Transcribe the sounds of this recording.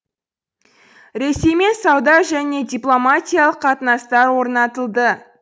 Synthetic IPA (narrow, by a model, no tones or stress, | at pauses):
ɾe̞se̞jme̞nsɑwd̪ɑʒæne̞dʲijplˠo̞mat̪ʲijalˠəqːʰɑt̪ənɑst̪ɑɾwo̞ɾnɑt̪əlˠd̪ə